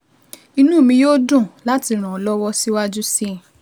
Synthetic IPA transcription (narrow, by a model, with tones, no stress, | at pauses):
i˧nũ˦˨mĩ˧jo˦dũ˦˨la˨˦ti˧ɾ̃ã˨lɔ˦wɔ˦si˦wa˦d͡ʒu˦si˦